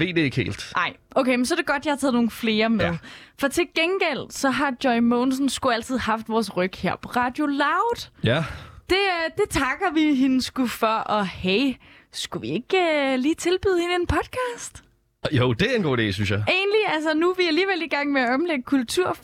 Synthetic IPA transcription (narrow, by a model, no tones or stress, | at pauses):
ʋe̝̰ːd̥eɡ̥he̝̰ːld̥ʔɑ̈ɪ̰ʔokʰeɪmens̬ɒɾ̥e̝ɡ̥ɒ̽d̥jɑhɑt͡sʰɛːð̩ˠno̝ːn̩fle̝ːɐmeððˠfɒ̽t͡sʰe̝lɡ̥enɡ̥el̰sɒ̽ɦɑ̈djɒɪmoːnsn̩sɡ̥uæl̰t͡sʰið̞̰ˠɦɑ̈fd̥ʋɒːsʁœɡ̥hḛɐ̰pʰɒ̽ʁɑ̈ːd̥jo̝lɑ̈ʊd̥ | d̥e̝d̥e̝t͡sʰɑ̈ɡ̥ɐʋiɦenəsɡ̥ufɒʔɒ̽heɪ | sɡ̥uʋie̝ɡ̥øliːt͡sʰe̝lb̥yð̰ˠhe̝nəe̝npʰɒ̽d̥̚kʰɑ̈ːsd̥ | joʊd̥e̝enɡ̥o̝̰ːdḛːsynsjɑ̈ɪe̝̰ːnliælsɐnuʋiæliːʋeliɡ̥ɑ̈ŋ̰meæɒ̽mleɡ̥əkʰult͡sʰuɐ̰